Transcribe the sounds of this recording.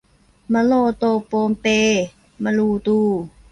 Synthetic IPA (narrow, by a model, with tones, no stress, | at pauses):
ma˧˨loː˧˨t̪oː˧˨poː˧mpe˧ | ma˧luː˧˩t̪uː˧˩